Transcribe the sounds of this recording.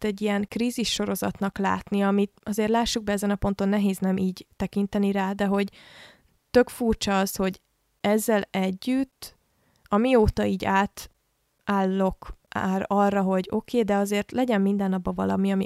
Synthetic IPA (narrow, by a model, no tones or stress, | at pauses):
t̪ɛɟːijɛŋkriːziʃːo̞ɾo̞zɒt̪nɒkla̰ːt̪niɒmit̪ɒzeːrt̪laːʃːuɡ̚bɛɛzɛnɒpo̞nt̪o̞nːɛɦeːznɛmʔiːɟt̪ɛkint̪ɛniɾaːd̪ɛɦo̞ɟ | t̪ø̞kfuːrt͡ʃɒɒsho̞ɟ | ɛzːɛlɛɟːyt̪ː | ɒmioːt̪ɒiːɟaːt̪ | aːlːo̞ka̰rɒrːɒɦo̞ɟo̞kʰeːd̪ɛɒzeːrt̪lɛɟɛmːind̪ɛnːɒbːɒvɒ̰lɒ̰miɒmi